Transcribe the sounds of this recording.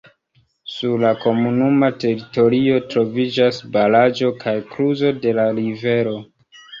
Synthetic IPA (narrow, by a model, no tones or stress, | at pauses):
suɾlako̞munumate̞ɾito̞ɾio̞tɾo̞vid͡ʒasbalad͡ʒo̞kʰajkɾuzo̞de̞laɾive̞ɾo̞